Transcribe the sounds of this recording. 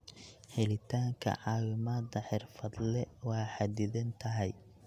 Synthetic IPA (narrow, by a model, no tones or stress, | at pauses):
ħɛlɪt̪ʰaːŋkʰɐ̰ʕɑːwɪmaːd̪ɐħɪrfɐd̪lɛwɑːħɑd̪ɪðɐnt̪ʰɐɦɛj